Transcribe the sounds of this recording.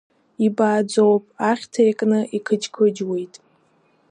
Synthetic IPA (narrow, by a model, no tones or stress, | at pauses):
ibaːd͡zowpʼaχʲtʰaekʼnɨʔikʰɨd͡ʒkʰɨd͡ʒwejtʼ